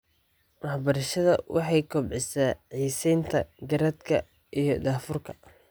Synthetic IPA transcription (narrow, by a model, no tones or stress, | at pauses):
wɑħbɐɾɐʃɐðɐ̰wɑħɑjkʰɔbʕɪsaːʕiːsɛjnt̪ʰɐ̰ɡɐɾɐd̪kʰɐ | ʔijɞd̪aːfʊrkʰɐ̥